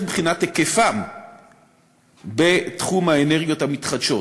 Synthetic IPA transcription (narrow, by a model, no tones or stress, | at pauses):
bχinat̪ːekefam | be̞t̪χumaeneʁɡjo̞t̪hamit̪χad̪ʃo̞